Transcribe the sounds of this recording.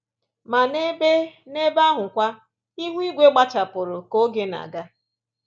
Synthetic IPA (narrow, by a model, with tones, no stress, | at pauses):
ma˨ne˦be˦ne˦ba˦ɦʊ˨kʷa˦ | i˦ɦʷi˦ɡʷe˦ɡ͡ba˦t͡ʃa˨pʊ˨ɾʊ˨ko˦ɡe˦na̰˨ɡa˦